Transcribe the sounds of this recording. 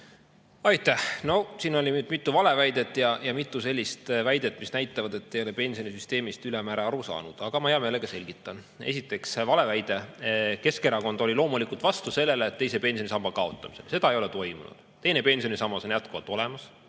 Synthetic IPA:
ɑjt̪ːæhno̞siːno̞lʲimyːd̪mit̪ːˑuvɑle̞væjd̪e̞t̪ːˑjɑjɑmit̪ːˑuse̞lʲːist̪væjd̪̥et̪ːˑmisnæjt̪ːˑɑvɑd̪e̞t̪ːe̞jo̞lepe̞nsio̞nisyst̪e̞ːmist̪ylemæːɾeɑɾusɑ̰ːnṵd̪̥ɑɡ̥ɑmɑheɑme̞ːleɡ̥ɑse̞lʲɡ̥it̪ːˑɑn | e̞̰sit̪ːˑe̞ksvɑle̞væjd̪̥e̞ke̞skeɾɑko̞nd̪̥o̞lʲilo̞ːmulikult̪vɑst̪use̞lːeleːt̪ːe̞jse̞pe̞nsio̞nʲisɑmb̥ɑkɑo̞t̪ˑːɑmise̞̰lse̞d̪ɑejo̞let̪o̞jmṵnṵd̪̥ | t̪e̞jne̞pe̞nʲsio̞nʲisɑmːɑso̞njæt̪̚kuvɑt̪ːˑo̞le̞mɑs

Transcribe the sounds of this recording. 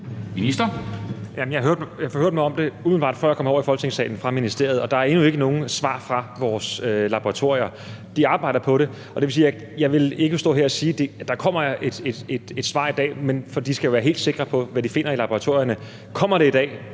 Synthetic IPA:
minisd̥ɐjæmənjɑɦøɐ̰d̥mjɑfɒhøɐd̥mɑɒ̽md̥e̝umð̩lb̥ɑ̈ːd̥fɶ̰jɑkɒ̽mɒ̰ɐifɒ̽lɡ̥ət͡sʰe̝ŋsɛ̰ːn̩fʁɑ̈minisd̥e̝ɐ̰ð̩ˠɒ̽d̥ɑ̈æɐe̝nue̝ɡ̥əno̝ːn̩sʋɑ̰̈ːfʁɑ̈ʋɒːsølɑ̈b̥oʁɑ̈t͡sʰo̝ɐ̰iɐ | d̥iɑ̈ːb̥ɑ̈ɪ̰d̥ɐpʰɒ̽ɾe̝ | ɒ̽d̥eʋe̝siːj | jɑ̈ɪʋe̝le̝ɡ̥əsd̥ɔ̰̽ːɦeɐ̰ɒsiːd̥e̝d̥ɑ̈kʰɒ̽m̰ɐʔed̥ed̥ed̥e̝d̥sʋɑ̰̈ːid̥ɛ̰ːmenfɒdi̥disɡ̥æjo̝ʋæːɐɦḛːld̥se̝ɡ̥ʁɐpʰɒ̽ʋædife̝n̰ɐilɑ̈b̥oʁɑ̈t͡sʰo̝ɐ̰jɐnə | kʰɒ̽m̰ɐɾ̥e̝id̥ɛ̰ː

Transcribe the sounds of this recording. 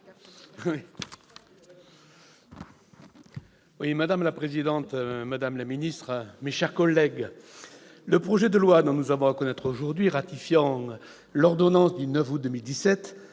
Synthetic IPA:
wi | wimad̪amlapχezid̪ɑ̃t̪mad̪amlaminist̪χmeʃɛʁkɔlːɛɡ | ləpχɔʒed̪əlwad̪ɔ̃nuzavɔ̃əkɔnɛt̪χoʒuʁd̪ɥiʁat̪ifjɑ̃ | lɔʁd̪ɔnɑ̃sd̪ynœfud̪əmild̪isɛt̪

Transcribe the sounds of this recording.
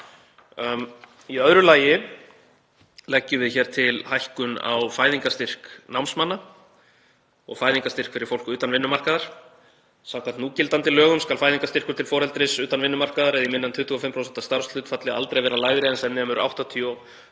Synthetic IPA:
iœðɾʏlaːjɪ | lɛcːʏvɪðçɛːɾ̥t̪ʰɪlhajhkʏna̰wfaːjðiŋkast̪ɪr̥knawmsmanːa | ɔ̰ɣfaːjðiŋkast̪ɪr̥kfɪɾɪɾ̥fowlkʏʏːt̪anvɪnːʏmar̥kaðaɾ̥ | sawkʰant̪nuːcɪlt̪ant̪ɪlœːɣʏmskalfaːjðiŋkast̪ɪr̥kʏɾ̥t̪ʰɪlfɔːɾɛlt̪ɾɪsʏːt̪anvɪnːʏmar̥kaðaɾɛðimɪnːant̪ʰʏht̪ʰʏɣɔfɪmpʰɾowsɛnt̪ast̪aɾ̥st̪ʏːt̪fat̪lɪa̰lt̪ɾejvɛːɾalaːjɣɾɪɛnsɛðnɛːmʏɾa̰wht̪at̪ʰiɔ

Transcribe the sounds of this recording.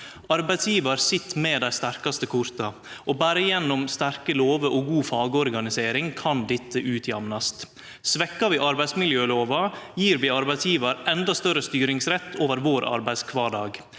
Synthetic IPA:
ɑɾbæɪd̪sjiːʋɑɾsɪt̪ːmeːd̪æɪst̪æɾkɑst̪əkʰʊɾt̪ɑ | ʔoːbæːɾəjɛnːʊmst̪æɾkəloːʋəʔoɡuːfɑːɡəɔɾɡɑnɪseːɾɪŋkʰɑnd̪ɪt̪ʰːəʔʉːt̪ʰjɑmnɑst̪ | sʋɛkːɑʋiːʔɑɾbæɪsmɪljøːloːʋɑjiːɾʋiːɑɾbæɪd̪sjiːʋɑɾʔɛnd̪ɑst̪œɾəst̪yːɾɪŋsɾɛt̪ʰːoːʋəɾʋoːɾʔɑ̰ɾbæɪskʰʋɑːɖɑːɡ

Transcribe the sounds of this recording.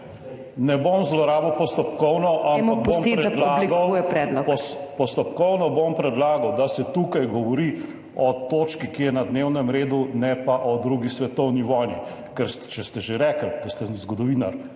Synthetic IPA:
nɛbomzlɔɾaːbɐwpɔst̪ɔpkɔwnɔʔamakomt̪iɾɛd̪laliɡawujɛpɾɛd̪lɔpɔpɔst̪ɔpkɔwnɔbompɾɛd̪laːɡawd̪asɛt̪ukajɡɔʋɔɾi | ɔt̪oːt͡ʃkikijɛnad̪newnɛmɾeːd̪unɛpaʔɔd̪ɾuɡisʋɛt̪ɔwniʋɔjni | kɛɾt͡ʃɛst̪ɛʒeɾɛkəld̪ast̪ɛzɡɔd̪ɔʋiːnaɾ

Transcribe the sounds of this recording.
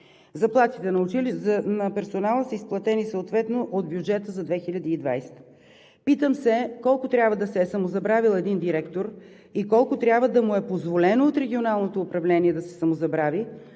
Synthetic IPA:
zɐplˠat̪it̪ɛnɐʊt͡ʃilinɐpɛɾsonalˠəsəisplˠɐt̪ɛnisəot̪vɛt̪noʔod̪̚bjud͡ʒɛt̪əzɐd̪vɛxiʎʲɐd̪iːd̪va̰jsɛ̥t̪ə̥ | pit̪əmsɛkɔlˠkʊt̪ɾʲjabvəd̪ɐsɛːsɐmozɐbɾavilˠɛd̪ind̪iɾɛkt̪oɾ | ikɔlˠkʊt̪ɾʲabvəd̪ɐmuɛpozvolɛnoot̪ɾɛɡʲionalˠnot̪oːpɾɐvlɛniɛd̪ɐsɛ̥sɐmozɐbɾavi

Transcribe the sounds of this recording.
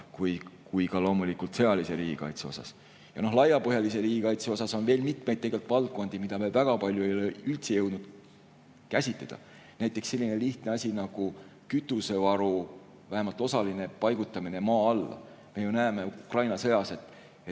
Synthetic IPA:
kujkujkɑlo̞ːmulikult̪se̞ɑlise̞ɾiːɡ̥ikɑ̰jt̪se̞o̞sɑ̰s | jɑ̰no̞hlɑjːɑpɤɦjɑlise̞ɾiːɡikɑjt̪seo̞sɑso̞nve̞ːlmit̪me̞jd̪̚ːeɡe̞lt̪ˑvɑlt̪̚kːˑo̞nd̪̥imid̪̥ɑmevæɡ̥ɑpɑlʲjue̞joleylt̪sejɤwd̪nud̪̥ | kæsʲit̪led̪̥ɑ̰ | næjt̪ːˑe̞kse̞lʲːine̞liht̪ne̞ɑsʲinɑɡ̥ukyt̪ːˑuse̞vɑɾu | væhemɑlt̪ːˑo̞sɑline̞pɑjɡ̥ut̪ˑːɑmine̞mɑːɑlːɑ̰ | me̞junæːme̞ukrɑjnɑse̞jɑse̞t̪ˑ | e

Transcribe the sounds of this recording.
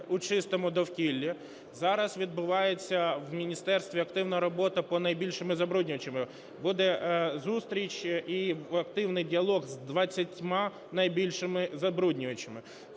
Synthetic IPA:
ʊt͡ʃɪst̪ɔmʊd̪ɔwkʲilʲːi | zɑɾɐsʋʲid̪̚bʊʋɑjet͡sʲːɐwmʲinʲist̪ɛrst̪ʋʲiɐkt̪ɪwnɐɾɔbɔt̪ɐpɔnɐjbʲilʲʃɪmɪzɐbɾudʲnʲʊʋɐt͡ʃemɪ | bud̪ɛzust̪ɾʲit͡ʃiɐk̚t̪ɪwnɪjdʲiɐlˠɔɣzd̪ʋɐt͡sʲːɐtʲmɑ | nɐjbʲilʲʃɪmɪzɐbɾudʲnʲʊjɐt͡ʃɪmɪ

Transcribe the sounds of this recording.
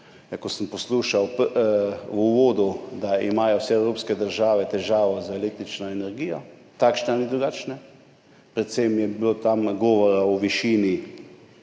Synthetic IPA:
jakɔsəmpɔsluʃawp | uʋoːd̪ud̪aimaːjɔwsɛɛwɾoːpskɛd̪əɾʒaːʋɛt̪ɛʒaːʋɔzaelek̚t̪ɾit͡ʃnɔɛnɛɾɡijɔ | t̪akʃnanid̪ɾuɡaːt͡ʃnɛ | pɾɛt̪semjɛbilot̪amɡɔːʋɔɾaɔʋiʃiːni

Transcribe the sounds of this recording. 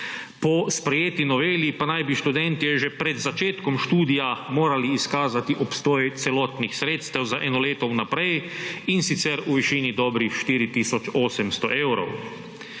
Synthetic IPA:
pɔspɾɛjeːt̪inɔʋeːljipanajbiʃt̪ud̪ɛnt̪iɛʒɛpɾɛd̪zat͡ʃeːt̪kɔmʃt̪uːd̪ijamoːɾaliːskaːzat̪iʔɔpst̪ɔːjɛt̪sɛlɔːt̪nixsɾeːt̪st̪ɛwzaʔɛːnɔleːt̪ɔwnapɾɛjinsit̪sɛɾuʋiʃiːnid̪ɔbɾixʃt̪iːɾit̪iːsɔt͡ʃoːsɛmst̪ɔ̰ʔewɾo̰w

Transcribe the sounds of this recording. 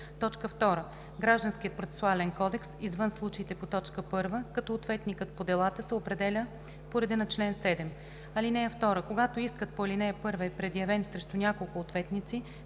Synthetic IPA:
t̪ɔt͡ʃkəft̪ɔɾə | ɡɾaʒd̪ənsk̟iət̪̚pɾot̪sɛ̥sʊalɛnkɔd̪ɛksizvɤnslˠut͡ʃɐit̪ɛpot̪ɔt͡ʃkəpɤɾvəkɐt̪ɔːt̪vɛt̪nikət̪̚pod̪ɛlˠat̪əsɛopɾɛd̪ɛlʲə | poɾɛd̪inɐt͡ʃlɛnsɛd̪ɛm | ɐlinɛjəft̪ɔɾəkoɡat̪oiskət̪̚poɐlinɛəpɤɾvəɛpɾɛd̪jɐvɛnsɾɛʃt̪ʊnʲjakolˠkʊːt̪vɛt̪nit̪si

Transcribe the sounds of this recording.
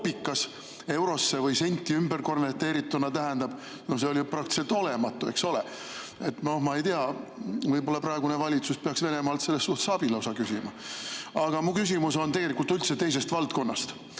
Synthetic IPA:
pːikːˑɑs | e̞wɾo̞sːe̞vɯjse̞nʲt̪ːˑiymberko̞nvert̪ːeːɾit̪ːunɑt̪æɦɛnd̪ɑb̥ | no̞hse̞olʲiuprɑk̚t̪i̥selt̪o̞lemɑt̪ːˑue̞̰kso̞le | et̪ːno̞hmɑe̞jt̪eɑvɯjbo̞lːɑprɑeɡunevɑlʲit̪suspe̞ɑksve̞ne̞mɑːlt̪se̞lːestːuht̪sɑb̥ilɑosɑkysʲimɑɑɡ̥ɑmukys̬ʲimuso̞nt̪e̞ɡ̥e̞lʲikult̪ylt̪set̪e̞js̬e̞st̪vɑlt̪̚ko̞nːɑ̰st̪

